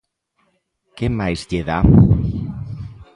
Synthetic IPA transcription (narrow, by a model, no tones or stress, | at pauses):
kemajzʎeða